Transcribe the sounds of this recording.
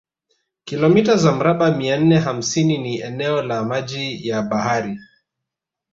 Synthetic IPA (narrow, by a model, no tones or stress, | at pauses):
kilɔmitazam̩ɾaɓamian̩nɛɦam̩sininiɛnɛɔlamaʄijaɓahaɾi